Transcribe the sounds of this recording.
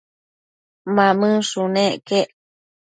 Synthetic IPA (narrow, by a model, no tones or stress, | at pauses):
mãmɨ̃ʂunẽʔkeʔ